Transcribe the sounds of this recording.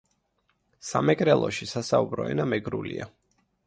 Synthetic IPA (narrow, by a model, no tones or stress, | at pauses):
samɛkʼɾɛlˠɔʃisasaubɾɔɛnamɛɡɾulia